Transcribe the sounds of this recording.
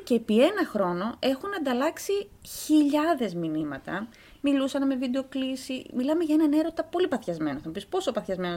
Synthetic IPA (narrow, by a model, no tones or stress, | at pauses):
ceːpie̞nɐxɾo̞no̞e̞xunɐnd̪ɐlɐksiçiʎɐðe̞zminimɐ̰t̪ɐ̰ | milusɐnme̞vid̪e̞o̞klisimilɐme̞ʝɐenɐne̞ɾo̞t̪ɐpo̞lipɐθçɐzme̞noθemɐpispo̞sopɐθçɐzme̞no